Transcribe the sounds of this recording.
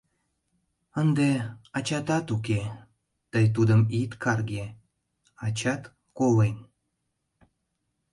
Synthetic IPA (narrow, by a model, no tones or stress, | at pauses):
ənd̪eɑt͡ɕɑt̪ɑt̪uk̬e | t̪əjt̪̬ud̪əmit̪kʰɑrɡe | ɑt͡ɕɑt̪ | kolen